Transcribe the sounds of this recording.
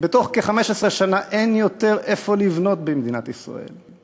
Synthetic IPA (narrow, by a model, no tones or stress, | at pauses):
bet̪oχkeχameʃesʁeʃanaʔe̞njot̪e̞ʁʔe̞fo̞livno̞t̪bemd̪inat̪isʁa̰e̞̰l